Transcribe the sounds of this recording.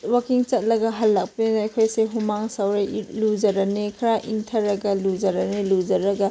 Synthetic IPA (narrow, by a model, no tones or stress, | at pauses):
wɐkiŋt͡ʃɐt̚lɐɡɐɦɐlːɐk̚pinɐɐkʰojseɦumaŋsɐwɾelud͡ʒɐɾɐnekʰɐɾaʔiŋtʰɐɾɐɡɐlud͡ʒɐɾɐnelud͡ʒɐɾɐɡɐ